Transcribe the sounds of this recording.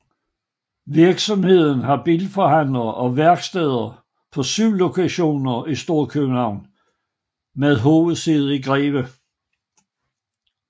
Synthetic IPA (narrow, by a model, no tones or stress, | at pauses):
ʋiɐɡ̥sɒ̽mhe̝ð̞̰ˠn̩ɦɑ̈b̥ilfɒhæn̰lɐʔɒ̽ʋæɐɡ̥sd̥eːð̞̰ˠɐ | pʰɒ̽sylːo̝kʰæɕo̝̰ːnɐisd̥o̝ɐ̰kʰøb̥n̩hɑ̈ʊ̰n | meðˠɦoːʋð̩ˠsið̞̩ˠiɡ̥ʁɛːʋə